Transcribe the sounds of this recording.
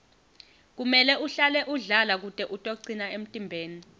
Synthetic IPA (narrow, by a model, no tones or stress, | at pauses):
k̬umɛlɛʔuɬalɛʔuɮalak̬utʼɛʔutʼoǀinaem̩tʼimbʱeːni